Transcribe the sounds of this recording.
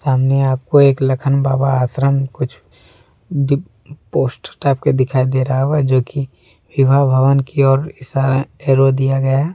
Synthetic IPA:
saːmneaːp̚koeːklɐkʰənbaːbaaːsɾəmkʊt͡ʃʰ | ɖ | poːsʈəʈaːp̚ked̪ɪkʰaːid̪eːɾɦaɦoɡad͡ʒoːki | wɪbʱabʱɐʋənkiɔːɾɪsaːɾaeːɾod̪ijaɡɐja

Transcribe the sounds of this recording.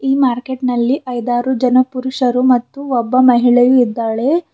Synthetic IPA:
iːmaːɾke̞ʈnɐlːiʔɐjd̪aːɾud͡ʒɐnɐpuɾuʂɐɾumɐt̪ːuɔbːɐmɐɦiɭɐjuid̪ːaːɭe̞

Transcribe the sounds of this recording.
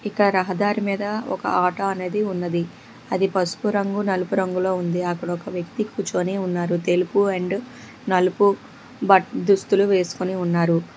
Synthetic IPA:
ikːɐɽɐɾɐɦɐd̪aːɾimiːd̪ɐɔ̰kɐ̰aːʈɐɐne̞ːd̪iunːɐd̪i | ɐd̪ipɐsu̥kuɾɐŋɡunɐlupuɾɐŋɡulo̞ːund̪iɐkːɐɽɐɔkɐʋjɐkt̪ikuːt͡ʃoːniːunːaːɾut̪e̞lupuɐɳɖ | nɐlupu | bɐʈd̪ust̪uluʋe̞ːsu̥kuniunːaːɾu

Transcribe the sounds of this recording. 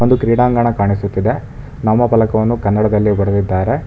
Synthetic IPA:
ond̪ukɾiːɽaːŋɡaːɳɐkaːɳisut̪ːid̪e̞ | nɐmːɐpɐlɐkɐʋɐnːukɐnːɐɽɐd̪ɐlːibɐɽɐd̪id̪ːaːɾe̞

